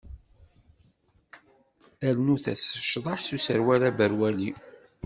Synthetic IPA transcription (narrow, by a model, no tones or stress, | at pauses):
ælnuθæ̰sə̥ʃðˤɑħsusəɾwælæbəɾwæli